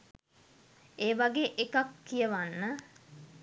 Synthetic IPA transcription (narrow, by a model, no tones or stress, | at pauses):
eːʋaɡeːʔekakːijəʋanːə